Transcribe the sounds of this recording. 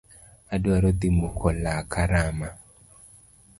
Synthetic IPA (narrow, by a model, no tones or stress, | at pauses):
adwaɾɔt̪imokʰɔlakaɾama